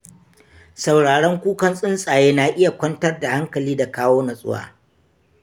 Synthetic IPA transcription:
sa˨wɽaː˨ɽɐ˦ŋkʷuː˦kɐ˦nsʼɪ˦nsʼaː˨jeː˦na˨ʔɪ˦ja˨kʷɐ˦ntɐ˦rda˨ha˦ŋkɐ˨liː˦da˨kaː˦woː˦nɐ˨sʼʊ̰˦wa̰ː˨

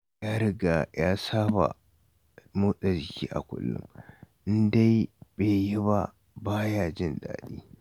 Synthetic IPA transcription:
jaː˦ɾɪ˦ɡa˨jaː˦saː˦ba̰˨ | muː˦sa˨d͡ʒɪ˨kʲiː˦ʔa̰˨kʷʊ̰˦lːʊ̰˦m | ɪ˦nda˦jbeː˨ji˦ba˦ | baː˦jaː˦d͡ʒɪ˦˨nda̰ː˨ɗiː˦

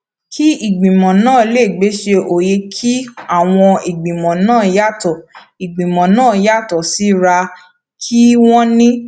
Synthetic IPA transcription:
kʰi˦i˨ɡ͡bĩ˨mɔ̃˨nãː˦˨˧le˦˨ɡ͡be˨˦ʃe˧ʔo˨je˧kʰi˦a˦˨w̃ɔ̃˧i˨ɡ͡bĩ˨mɔ̃˨nãː˦˨ja˦˨tɔ˨ | i˨ɡ͡bĩ˨mɔ̃˨nãː˦˨˦ja˦˨tɔ˨si˨˦ɾa˧ | kʰi˦w̃ɔ̃˦nĩ˦

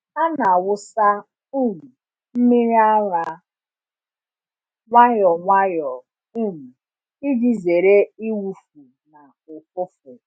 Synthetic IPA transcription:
a˦na˨wʊ˦sa˦ | u˦˨mu˨ | m̩˦mi˦ɾi˦a˦ɾa˨ | ŋʷa˦jɔ˨ŋʷa˦jɔ˨ | u˦m̩˨ | i˦d͡ʒi˨ze˨ɾe˦i˦wu˨fu˨ | na˨ | ʊ˨k̚ʷʊ˦fʊ˨

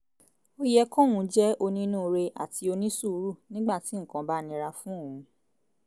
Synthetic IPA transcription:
o˦jɛ˦˧kɔ̃˦˨wũ˧d͡ʒɛ˦o˧nĩ˧˦nũː˦˨˧ɾe˧ʔa̰˨tʰi˧o˧nĩ˦su˦˧˦ɾu˦˨nĩ˦ɡ͡ba˦˨ti˨˦ŋ̩˨kã˧ba˦˨nĩ˧˦ɾa˧fũ˦o˦˨ũ˨˧

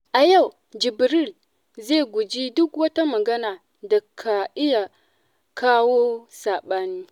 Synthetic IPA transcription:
a˨ja˦˨w | d͡ʒi˨bi˨ɾi˦˨l | ze˦˨ɡu˨d͡ʒi˦du˦kwa˦ta˦ma˨ɡa˦na˨ | da˨kʰa˨i˦ja˨ | kʰa˦wo˦sa˨ɓa˦ni˦

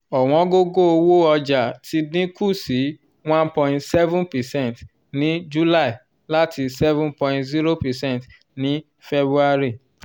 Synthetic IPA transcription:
ɔ˨w̃ɔ̃˨˦ɡo˦ɡo˦o˧wo˦ɔ˧d͡ʒa˨tʰi˧˦dĩ˦ku˦˨si˨˦ | w̃ã˦npɔ̃˧ĩ˨tsɛ˦vũ˦npɛ˨sɛ̃˦˨nt | nĩ˨˦d͡ʒu˦la˦i˨ | la˦ti˧sɛ˦vũ˦npɔ̃˧˨ĩtzi˦ɾo˦pɛ˨sɛ̃˦˨t | nĩ˨˦ | fe˦bɾu˦a˧ɾi˦˨

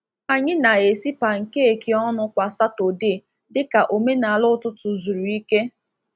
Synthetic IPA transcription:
a˨ɲɪ˦na˨e˨si˦pa˨ŋ̩˨ke˦e˨ki˨ɔ˦nʊ˦kʷa˨sa˦to˨de˦˨ | dɪ˦ka˨ʔo˨me˦na˨a˨lʊ˦tʊ˦tʊ˨zu˨ɾu˨i˦ke˦

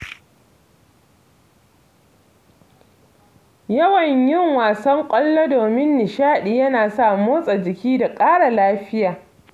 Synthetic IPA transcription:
jɐ˦wɐ˨ɲjɪ˦ŋwaː˨sɐ˦ŋkʷʼɐ˦lːo˦doː˨mɪ˦nːɪ˨ʃaː˦ɗi˨jɐ˦naː˨sa˦˨moː˦sʼa˨d͡ʒɪ˨kʲiː˦da˨kʼaː˦ɽa˨laː˦ɸɪ˦jaː˨

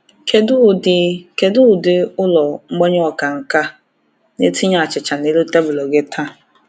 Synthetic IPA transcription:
ke˦dʊ˦˨dɪ˨ke˨dʊ˦˨dɪ˨ʊ˦lɔ˨ŋ͡m̩˦ɡ͡bɔ˦ɲ˦ɔ˨ka˨ŋ̩˨ka˦ | ne˦ti˦ɲa˦˨a˨t͡ʃɪ˨t͡ʃa˨ne˦lu˦ta˦bʊ˨lɔ˨ɡe˦tʰa˦

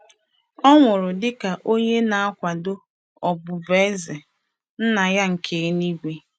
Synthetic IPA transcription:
ɔ˦ŋʷʊ˨ɾʊ˨dɪ˦ka˨ʔo˦ɲe˦na˨a˦kʷa˨dʊ˦ | ɔ˨bʊ˨ve˦ze˨ | n̩˦na˨ja˦ŋ̩˨kʰe˨˦ni˦ɡʷe˦

